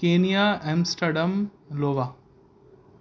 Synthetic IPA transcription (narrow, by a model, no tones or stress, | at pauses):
keːnijaːemsʈɐɖɐm | loːʋa